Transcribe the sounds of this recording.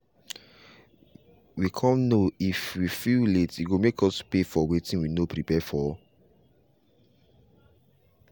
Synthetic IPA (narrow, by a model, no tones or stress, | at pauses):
wikʰãnnoifwifiletiɡomekʰɔspefɔwetĩnwinopɾipɛfɔɔ